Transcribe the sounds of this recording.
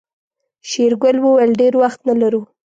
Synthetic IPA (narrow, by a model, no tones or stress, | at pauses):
ʃeɾɡʊlwəwalɖeɾwaxt̪nalaɾu